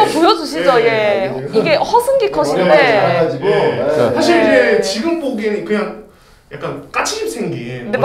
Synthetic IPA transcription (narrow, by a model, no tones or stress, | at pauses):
pojʌd͡ʑuɕ̬ʰid͡ʑʌje̞ | iɡe̞hʌsʰɯnɡikʰʌɕʰindead͡ʑiɡosʰaɕʰiɾiɡet͡ɕiɡɯmpoɡinikɯɲaŋ | ja̰k͈ank͈at͡ɕʰiɕʰip̚s͈ʰeŋɡide